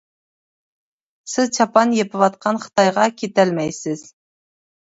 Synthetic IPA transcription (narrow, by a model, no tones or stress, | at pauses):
sɪzt͡ʃʰɑpɑnjepɪwɑt̪̚qʰɑnχə̥t̪ɑjʁɑkʲʰet̪ælmɛjsɪz̥